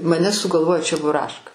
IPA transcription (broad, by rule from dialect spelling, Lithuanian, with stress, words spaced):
mɐˈnʲɛ sʊɡɐlˠˈʋoːjoː t͡ʃʲɛbʊˈrɑːʃkɐ